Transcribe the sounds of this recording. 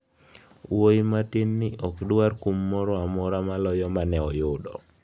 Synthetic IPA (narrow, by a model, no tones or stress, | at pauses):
woimatinːɪʔɔkdwarkumːɔɾɔamɔɾamalɔjɔmanɛɔjʊdɔ